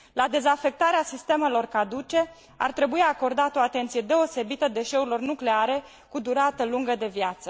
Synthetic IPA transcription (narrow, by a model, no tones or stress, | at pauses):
lad̪e̞zafe̞k̚t̪aɾeasist̪e̞me̞lo̞rkad̪ut͡ʃe̞ | a̰rt̪ɾe̞buiako̞rd̪at̪o̞at̪e̞nt̪sije̞d̪e̞o̞se̞bit̪əd̪e̞ʃe̞uɾilo̞rnukleaɾe̞ | kud̪uɾat̪əluŋɡəd̪e̞vjat̪sə